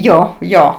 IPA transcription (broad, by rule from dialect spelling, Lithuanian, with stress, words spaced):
ˈjoː ˈjoː